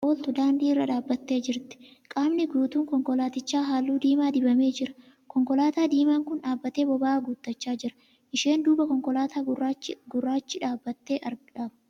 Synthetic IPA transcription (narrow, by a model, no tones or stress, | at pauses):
ʔoːlt̪ʊd̪aːnd̪iːrːɐᶑaːbːɐt̪ːe̞ːd͡ʒɪɾt̪ɛ̥kʼaːmnɪɡuːt̪uːŋkɔŋkɔlaːt̪ɪt͡ʃːaːɦaːlːuːd̪iːmaːd̪ɪbɐme̞ːd͡ʒɪɾɐ̥ | kɔŋkɔlaːt̪aːd̪iːmaːŋkʊnᶑaːbːɐt̪e̞ːbɔbaːɡut̪ːɐt͡ʃːaːd͡ʒɪɾɐ̥ | ʔɪʃe̞ːnd̪uːbɐkɔŋkɔlaːt̪aːrɡʊrːaːt͡ʃːɪᶑaːbːɐt̪ːe̞ːʔɐɾɡᶑaːb